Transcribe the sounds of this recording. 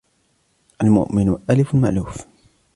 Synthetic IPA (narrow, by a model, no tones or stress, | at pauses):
ʔalmʊ̰ʔmɪnʔalɪfʊlmaʔluːf